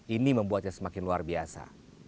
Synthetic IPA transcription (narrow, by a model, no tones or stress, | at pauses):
iniməmbuat̪̚ɲaŋsəmakɪnluarbiasa̰